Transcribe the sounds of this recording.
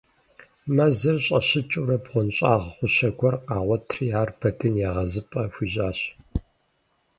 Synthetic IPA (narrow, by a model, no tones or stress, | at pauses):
mɐzɐrɕʼɐ̰ɕɪt͡ʃʼuɾɐbʁʷɔnɕʼaːʁχʷʊɕɐɡʷʰɔrqɑːʁʷɔtʰrijaːrb̥ʰɐdʰɨnjaːʁɐzɨpʼɐfʷiːʑʼaːɕ